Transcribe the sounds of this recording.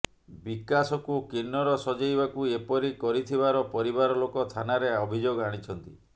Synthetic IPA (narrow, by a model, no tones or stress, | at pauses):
bikasɔkukinːɔɾɔsɔd͡ʒajbakuepɔɾikɔɾit̪ʰibaɾɔpɔɾibaɾɔlokɔt̪ʰanaɾeɔbʱid͡ʒoɡaɽ̃it͡ʃʰɔnt̪ḭ